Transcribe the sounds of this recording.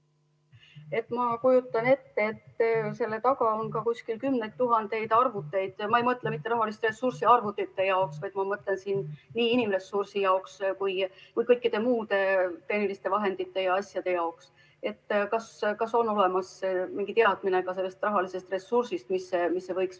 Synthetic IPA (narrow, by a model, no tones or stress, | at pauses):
e̞t̪ːmɑkujut̪ːˑɑne̞t̪ːeet̪ːse̞lːe̞t̪ɑkɑo̞nkɑkusʲkilkymne̞jt̪ːuɦɑnd̪e̞jd̪̥ɑrvut̪ːˑe̞jd̪̥mɑejmɤt̪ːˑlemit̪ːerɑɦɑlist̪re̞sursiɑrvut̪ːˑit̪ːe̞jɑoksvɑjd̪mɑmɤt̪ˑle̞nsiːnːiːinimre̞sursijɑokskujkujkɤjkːid̪e̞muːd̪̥e̞t̪e̞nilist̪e̞vɑɦe̞nd̪̥it̪ːe̞jɑɑsjɑd̪̥e̞jɑoks | e̞t̪ːkɑskɑso̞nːo̞le̞mɑsːemiŋɡ̥it̪eɑd̪̥mine̞ɡɑse̞lːe̞st̪rɑɦɑlise̞st̪re̞sːursist̪misːemisːe̞vɤjks